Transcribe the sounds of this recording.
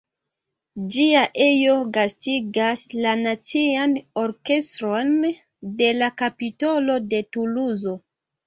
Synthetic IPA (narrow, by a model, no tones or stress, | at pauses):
d͡ʒiaʔejo̞ɡastiɡaslanat͡siano̞ɾke̞stɾon | de̞lakapito̞lo̞de̞tuluzo̞